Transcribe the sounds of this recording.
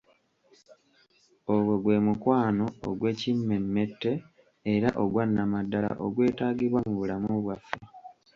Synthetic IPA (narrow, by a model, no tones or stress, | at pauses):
oβwe̞ɡwe̞ːmukwaːno̞̰ːɡwe̞ːcimːe̞mːe̞tːe̞ː | ɾaʔo̞ɡwanːamadːala̰ʔoɡwe̞ːtaːɡiβwamuβulamuβwafːe